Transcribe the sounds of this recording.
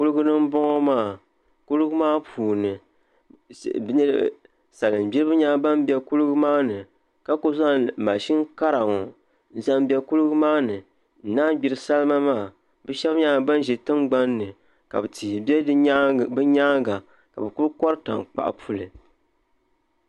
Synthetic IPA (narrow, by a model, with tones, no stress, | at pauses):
ku˦lɨ˦ɡɨ˦nɨ˦m̩˦bɔ˦ŋɔ˦maː˦˨ | ku˦lɨ˦ɡɨ˦maː˦pʰuː˨nɨ˨ | bɲɛ˦˨ | sa˨lɨ˨m˨bi˦ɾbɨ˦ɲaː˦ba˦mbʲɛ˦ku˦lɨ˦ɡɨ˦maː˦nɨ˨ | ka˦ko˦za˦˨ma˨ʃi˦ŋ˦ka˦ɾa˨ŋɔ˨ | n̩˦za˦m˦bʲɛ˦ku˦lɨ˦ɡɨ˦maː˦nɨ˨ | n̩˨˦naː˦ɡ͡bi˨ɾɨ˦sa˦lɨ˦ma˦maː˦˨ | bɛ˦ʃɛ˦bɲa˦˨ba˦n˦ʒɛ˨tɨ˦mɡ͡ba˦nːɨ˨ | ka̰˨bɨ˨ti˨bɛ˦bɨ˦ɲa˦ŋɡa˨ | ka̰˨bɨ˨ku˦ɾkɔ˦ɾɨ˦ta̰˨ŋk͡pa̰˨ʔa̰˨pʰu˦lɨ˨